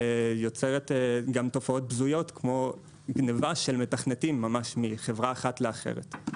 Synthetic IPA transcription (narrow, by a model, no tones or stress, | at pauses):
jo̞t͡seʁetɡamto̞fao̞t̚bzujo̞tkmo̞ | ɡnevaʃe̞lme̞taχnetimːamaʃmiχe̞vʁaːχatle̞aχe̞̰ʁḛt